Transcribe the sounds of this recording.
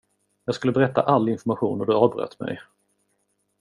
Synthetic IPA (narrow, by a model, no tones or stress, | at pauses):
jɑːɡskɵlːəbɛɾɛt̪ːa̰ʔalːɪnfɔmaɧuːnɔd̪ɵɑːvbɾœ̰t̪ʰːmɛ̰j